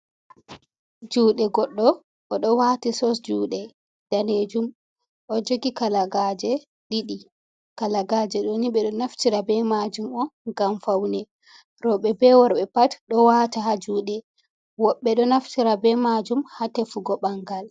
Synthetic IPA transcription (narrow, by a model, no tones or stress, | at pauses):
d͡ʒuːɗɛɡɔɗːɔ | ʔɔɗɔwaːtisɔsd͡ʒuːɗɛ | d̥aned͡ʒum | ʔɔd͡ʒoɡikalaɡad͡ʒɛ | ɗiɗi | kalaɡaːd͡ʒɛɗɔniɓɛɗɔnaftiɾabɛmad͡ʒumɔɡamfawnɛ | ɾɔɓɛbɛwɔɾɓɛpatɗɔwaːtaɦad͡ʒuːɗɛ | wɔɓːɛɗɔnaftiɾabɛmad͡ʒumhatefuɡɔɓaŋɡal